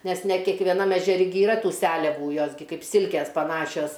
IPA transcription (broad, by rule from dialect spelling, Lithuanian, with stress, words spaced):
nʲɛs nʲɛ kʲɛkʋʲɛˈnɐm ɛʒʲɛˈrʲɪ ɡʲɪ ɪˈrɐ ˈtuː ˈsʲæːlʲɛʋuː ˈjoːs ɡʲɪ ˈkɐɪp ˈsʲɪlʲkʲeːs pɐˈnɑːʃʲoːs